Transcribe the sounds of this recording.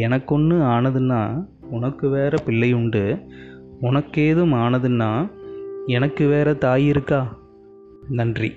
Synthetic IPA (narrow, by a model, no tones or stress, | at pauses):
ɛnɐkːɔnːɯaːnɐðɯnːaː | ʊnɐkːɯʋeːɾɐpɪlːɐjʊɳɖɯ | ʊnɐkːeːðɯmaːnɐðɯnːaː | ɛnɐkːɯʋeːɾɐt̪aːjɪɾɯkːaː | nɐndrḭ